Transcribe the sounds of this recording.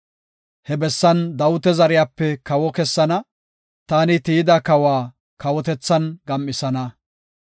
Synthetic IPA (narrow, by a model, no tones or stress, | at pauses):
hɛbɛsːɐnd̪ɐwʊt̪ɛzɐɾɪjaːpːɛkɐwɔkɛsːɐnɐ | t̪aːnɪt̪iːɪd̪ɐkɐwaː | kɐwɔt̪ɛt͡sːɐnɡɐmʔːɪsɐnɐ